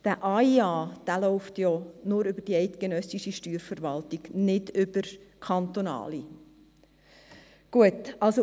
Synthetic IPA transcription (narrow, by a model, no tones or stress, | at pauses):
d̥æʔɑiɑːd̥æːlɔʊftjɔːnʊɾʏbəd̥iɛɪt̪ɡ̥enœsiʃiʃtyːɾfəɾʋɑltiɡ̥nɪdʏb̥əɾkʰɑnt̪onɑ̰ːli | ɡ̥uətɑlso